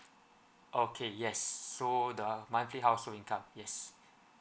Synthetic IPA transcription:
ʔokʰejɛsːodəmãɪ̃nfliɦaʊsoĩŋkʰãmjɛs

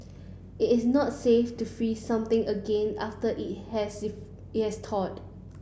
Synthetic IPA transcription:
ɪtɪsnɔtseftufɹisãmt̪ɪ̃ŋəɡɛ̃naftəʔɪt̚hɛs | t̚hɛstʰɔt

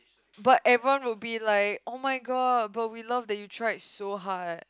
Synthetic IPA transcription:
bat̚ɛvɹiwãnwɪlbilaɪkomaɪɡɔd̚bat̚wilavdɛt̚jutʰɹajtsoɦad̚

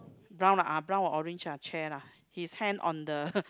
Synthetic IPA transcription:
bɹãw̃naʔabɹãnɔʔɔɹẽnd͡ʒat͡ʃʰɛla | hishɛ̃ndɔ̰̃ndə

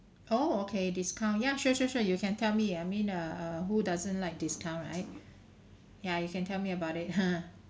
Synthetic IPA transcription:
ʔookʰediskʰãʊ̃njaʃuʃuʃujukʰɛ̃ntʰɛlmiaɪmĩnʌʌɦudazə̃nlaɪk̚diskʰãʊ̃nɹa̰ɪt̚ | jajukɛ̃ntʰɛlmiəbaʊtɪt̚hã

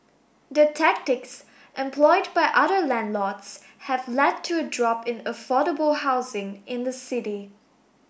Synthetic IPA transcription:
dətʰæk̚tɪks | ʔɛ̃mpʰlɔɪd̚baɪʔʌðə˞læ̃ndˡlɔts | hævlɛd̚tʰɨədɹɔpɪ̃nəfɔɾəbəl̩ˠhaʊzɪ̃ŋʔɪ̃nðəsɪɾi

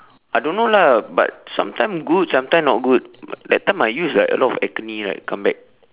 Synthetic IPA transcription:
ʔajdõnːolaba̰t̚sã̰mtãj̃mɡud̚sãmtãj̃mnɔt̚ɡud̚dɛt̚tːãjmajjuslajʔə̰lɔtɔ̰fɛ̰kənĩɹa̰ɪt̚kãmbɛk̚

